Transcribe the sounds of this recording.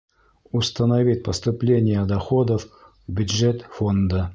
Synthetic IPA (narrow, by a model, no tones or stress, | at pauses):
ʊst̪ənɐvʲit̪̚ʲpəst̪ʊplʲenʲɪjəd̪ɐxod̪əf | bʲʊdʐɛt̪fond̪ə